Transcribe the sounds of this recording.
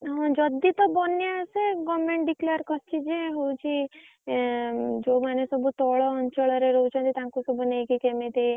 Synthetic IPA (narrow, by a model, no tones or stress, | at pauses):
ɦɔ̃d͡ʒɔd̪it̪ɔbɔnjaseɡɔmẽɳʈɖikleɾkɔst͡ʃʰid͡ʒeɦowt͡ʃʰi | d͡ʒomanesɔbut̪ɔɭɔːnt͡ʃɔɭɔɾeɾɔut͡ʃʰɔ̃nt̪it̪ãŋkusɔbʱunejkikemet̪i